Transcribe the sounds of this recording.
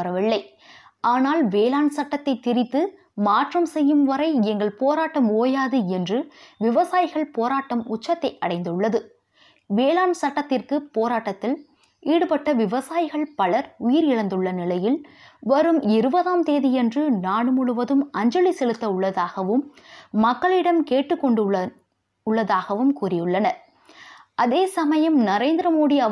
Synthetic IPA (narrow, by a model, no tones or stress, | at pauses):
ɐɾɐʋɪɭːɐɪ | aːnaːlʋeːlaːnsɐʈːɐt̪ːɐɪt̪ːɪɾɪt̪ːɯ | maːʈrɐmsɛjːɯmʋɐɾɐɪɛŋɡɐɭpoːɾaːʈːɐmoːjaːðɯɛndrɯʋɪʋɐsaːjɪɣɐɭpoːɾaːʈːɐmʊt͡ʃːɐt̪ːɐɪʔɐɽɐɪnd̪ɯɭːɐðɯ | ʋeːlaːɳsɐʈːɐt̪ːɪrkɯpoːɾaːʈːɐt̪ːɪl | iːɽɯpɐʈːɐʋɪʋɐsaːjɪɣɐɭpɐɭɐɾʊjɪɾɪɻɐnd̪ɯɭːɐnɪlɐjɪlʋɐɾɯmɪɾɯbɐðaːmt̪eːðɪjɛndrɯnaːɽɯmʊɻʊʋɐðɯmɐɲd͡ʒɐɭisɛlɯt̪ːɐʊɭːɐðaːɣɐʋɯmːɐkːɐɭɪɽɐmkeːʈːɯkːɔɳɖ | ʊɭːɐðaːɣɐʋɯmkuːrɪjɯɭːɐnɐɾ | ʔɐðeːsɐmɐjɐmnɐɾeːnd̪ɪɾɐmoːðiɐ